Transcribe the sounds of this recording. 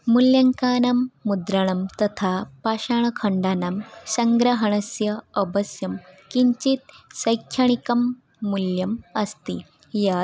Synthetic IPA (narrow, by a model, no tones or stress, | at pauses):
muljɐŋkaːnamːud̪ɾaɳ̃ɐmt̪ɐt̪ʰapaɕaɳ̃kʰəɳɖanamsəŋɡɾɐɦəɳ̃əsjɐəbəsjɐmkiɲt͡ɕit̪̚səjkʰːjɐɳ̃ikɐmː | uljɐməst̪i | ja